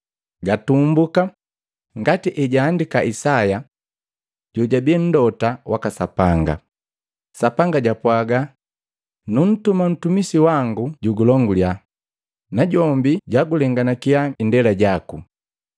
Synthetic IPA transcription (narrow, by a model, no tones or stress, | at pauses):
ɡatumbuka | ŋɡatiʔɛɟaːndikaʔisaja | ɟ̥ɔɟabɛn̩dɔtawʔakasapaŋɡa̰ | sapaŋɡaɟapwaɡa | nun̩tuman̩tumisiwaŋɡuɟuɡulɔŋɡulja | naɟɔmbiɟaɡulɛŋɡanakiaindɛlaɟaku